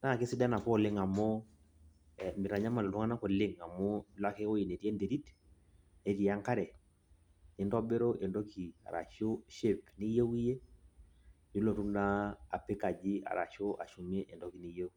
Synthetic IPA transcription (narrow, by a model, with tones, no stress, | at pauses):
na˦˨ke˦si˦da˦na˨kɔ˦˨lɪ˦ŋa˨mo˦ | mi˨ɾa˨ɲa˦ma˨lo˨tu˦ŋa˦na˦ko˨lɪ˦ŋa˨mo˦la˦ke˦o˦i˨ne˨ɾjɛ˦nde˨ɾi˦t | e˦ɾi˨a˦ŋka˦ɾɛ˨ | ni˦ndɔ˦be˦ɾo˦ʔe˨ndo˦ki˨a̰˨ɾa̰˨ʃo˦ʃe˦˨pni˦je˦wi˦je˦ | ju˦lo˨tu˦ndaː˦˨pe˦ka˨d͡ʒi˦a̰˨ɾa̰˨ʃo˦ʔa̰˨ʃu˨me˦ʔe˨ndɔ˦ki˨ni˦je˦w